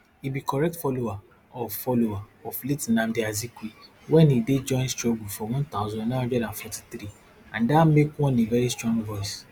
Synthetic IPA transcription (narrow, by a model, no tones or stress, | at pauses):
ibikɔɾɛk̚tfɔlowa | ɔfɔlowaɔfletinãmdeazikwi | wɛ̃nided͡ʒɔ̃ɪ̃nstɹɔɡufɔwɔ̃nt̪aʊzɔ̃nãɔ̃d͡ʒɔlãnfɔti̥t̪ɾi | ãndamekwɔ̃nevɛɾistɹɔ̃ŋɡvɔjs